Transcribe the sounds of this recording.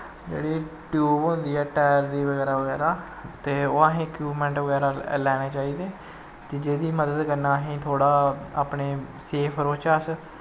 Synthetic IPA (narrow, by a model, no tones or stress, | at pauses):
d͡ʒḛːɽiːʈjuːbõːnd̪iːɛːʈɛːɾd̪iːʋəɡɛːɾaːʋəɡɛːɾaː | t̪eːoãːɦĩːkjuːpmɛ̃ːɳʈʋəɡɛːɾaːlɛːɽ̃eːt͡ʃaːiːd̪eː | t̪eːd͡ʒeːd̪iːməd̪əd̪kəɾnaːɦĩːt̪ʰoːɽaːaːpneː | seːpʰəɾoːt͡ʃaːs